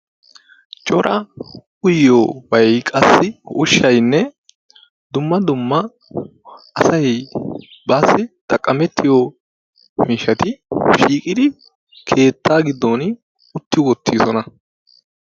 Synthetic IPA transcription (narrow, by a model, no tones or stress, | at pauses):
t͡ʃʼɔɾʔɐ | ʊjːoːwɐjkʼɐsːɪhʊʃːɐjnːɛ | d̪ʊmːɐd̪ʊmːɐ | sɐj | bɐsːɪt̪ɐkʼːɐmɛt̪ʰːɪjo | miːʃɐt̪ɪʃiːkʼɪd̪ɪ | kʰe̞ːt̪ːaːɡɪd̪ːoːn | ʊt̪ːɪwɔt̪ʰːiːsɔnɐ